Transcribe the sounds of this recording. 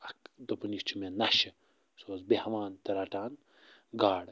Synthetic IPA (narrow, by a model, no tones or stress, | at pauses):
ɐkd̪opɐnist͡ʃʰimenɐʃi | soːzbehɐʋaːnt̪ɐɾaʈaːn | ɡaːɽ